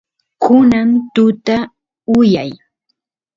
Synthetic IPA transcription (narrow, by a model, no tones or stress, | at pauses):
kʊnant̪ʊt̪a | ʊjaj